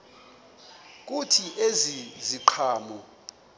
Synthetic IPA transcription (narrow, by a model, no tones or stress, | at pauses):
k̬ʼutʰiʔeziziǃʰaːmɔ